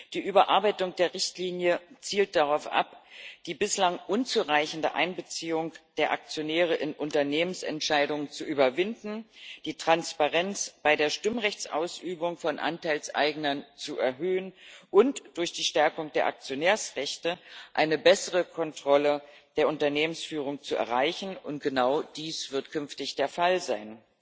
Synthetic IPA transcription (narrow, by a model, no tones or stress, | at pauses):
d̥iːʔyːbɐʔaɐbaɪtʊŋd̥eːɐʁɪçtliːnjət͡siːlt̚d̥aʁaʊfʔa̰pd̥iːbɪslaŋʔʊnt͡suːʁaɪçn̩dəʔa̰ɪnbət͡siːʊŋd̥eːɐʔa̰k̚t͡sjonɛːʁ̞əʔɪnʔʊntɐneːmənsɛ̰ntʃaɪdʊŋənt͡suʔyːbɐvɪndn̩d̥iːtʁ̥anspaʁɛnt͡sb̥aɪdeːɐʃtɪmʁɛçt͡sʔa̰ʊsʔyːbʊŋfɔnʔa̰ntʰaɪlsʔa̰ɪɡnɐnt͡suʔɛɐɦøːənʔʊntd̥ʊɐçd̥iːʃtɛɐkʊŋd̥eːɐʔa̰k̚t͡sjonɛːɐsʁɛçtəʔaɪnəbɛsəʁəkʰɔntʁ̥ɔləd̥eːɐʊntɐneːmənsfyːʁ̞ʊŋt͡suɛ̰ɐʁaɪçn̩ʊnt̚ɡ̥ənaʊd̥iːsv̥ɪɐtkʰʏnftɪçd̥eːɐfalzaɪn